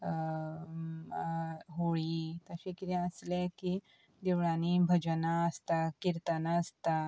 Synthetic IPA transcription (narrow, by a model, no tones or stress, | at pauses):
ɦoɭit̪əɕikiɾjaəsleki | d̪eʋɭãnibʱəd͡ʒənaəst̪akiɾt̪anaəst̪a